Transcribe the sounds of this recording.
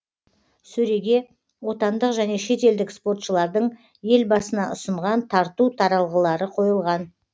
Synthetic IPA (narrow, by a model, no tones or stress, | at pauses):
sɵɾe̞ɡʲe̞ | wo̞t̪ɑnd̪əqʒæne̞ʃe̞t̪e̞ld̪ɪkspo̞ɾt̪ʃəlˠɑɾd̪əɴ | je̞lbɑsənɑʊsəɴʁɑnt̪ʰɑɾt̪ut̪ʰɑɾɑlˠʁəlˠɑɾəqʰo̞jəlˠʁɑn